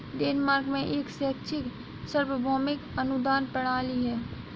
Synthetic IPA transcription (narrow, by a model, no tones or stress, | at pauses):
ɖeːnmaːɾɡmẽʔeːksɛːkːʃʰɪk | səɾwəbʱɔːmɪkɐnʊd̪aːnpɐɽ̤̃aːliɦɛː